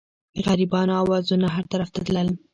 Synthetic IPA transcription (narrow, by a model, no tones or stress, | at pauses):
ɣaɾibɑnoɑwɑzunaɦaɾt̪aɾaft̪at̪ləl